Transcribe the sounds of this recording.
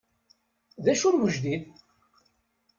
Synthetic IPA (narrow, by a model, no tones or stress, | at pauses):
ðæʃʊɾwəʒd̪ið